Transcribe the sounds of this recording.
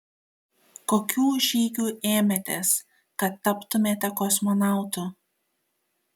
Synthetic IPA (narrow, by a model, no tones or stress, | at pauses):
koːkʲuːʒʲiːɡʲuːʔeːmʲɛt̪ʲeːs | kɐt̪ːɐpt̪ʊmʲeːt̪ʲɛkɔsmɔnɑˑʊt̪ʊ